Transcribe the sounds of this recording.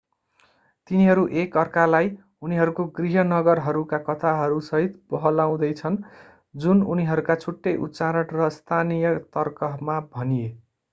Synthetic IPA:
t̪iniɦʌɾuʔekʌrkalaj | uniɦʌɾukoɡriɦʌnʌɡʌrɦʌɾukakʌt̪ʰaɦʌɾusʌɦit̪bʌɦʌlaw̃d̪ʌjt͡sʰʌn | d͡zununiɦʌɾukat͡sʰuʈːʌjʔṵt͡saɾʌʈrʌst̪ʰanijʌt̪ʌrkʌmabʱʌnije

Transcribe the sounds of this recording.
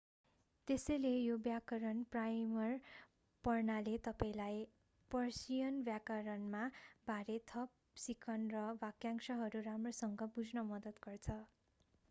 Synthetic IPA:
t̪esʌjlejobjakʌɾʌnprajmʌr | pʌrnalet̪ʌpaĩlaj | pʌrsijʌnbjakʌɾʌnmabʱaɾet̪ʰʌp̚sikʰʌnrʌbakjaŋsʌɦʌɾuramrosʌŋɡʌbud͡zʱnʌmʌd̪ʌt̪ɡʌrt͡sʰʌ

